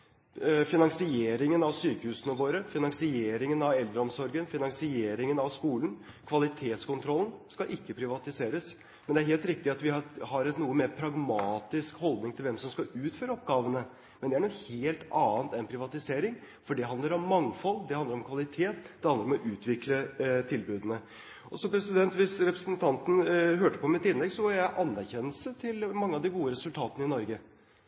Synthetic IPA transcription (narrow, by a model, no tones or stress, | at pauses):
fɪnɑŋsɪeːɾɪŋənɑʋsyːkəhʉːsənəʋoːɾəfɪnɑŋsɪeːɾɪŋənɑʋɛld̪ɾəɔmsɔɾɡənfɪnɑŋsɪeːɾɪŋənɑʋskuːlən̩ | kʰʋɑlɪt̪ʰeːt̪skʊnt̪ʰɾɔlːən̩skɑʔɪkːəpʰɾɪʋɑt̪ɪseːɾəs | mɛnd̪ɛæɾɦeːlt̪ɾɪk̚t̪ɪɑt̪ʋɪhɑɾɛt̪nuːəmepʰɾɑɡmɑːt̪ɪskhɔld̪nɪŋt̪ʰɪlʋɛmsɔmskɑʉːt̪føːɾɔpɡɑːʋənə | mɛnd̪ɛæɳɔheːlt̪ɑːənt̪ɛnpʰɾɪʋɑt̪ɪseːɾɪŋ | fɔɖɛɦɑnd̪əɾɔmːɑŋfɔlːd̪ɛhɑnd̪əɾɔmkʰʋɑlɪt̪ʰeːt̪d̪ɛhɑnd̪əɾɔmɔʔʉːt̪ʋɪklət̪ʰɪlbʉːd̪ənə | ɔsɔmpɾɛsɪd̪ɛnt̪ʋɪsɾɛpɾəsənt̪ʰɑnt̪n̩ɦøːʈəpɔmɪt̪ɪnlɛɡsɔʋɑɾjæɪʔɑnːæɾçɛnəlsət̪ʰɪlmɑŋːəɑd̪ɪɡuːəɾɛsʉlt̪ʰɑːt̪ənəɪnɔɾɡə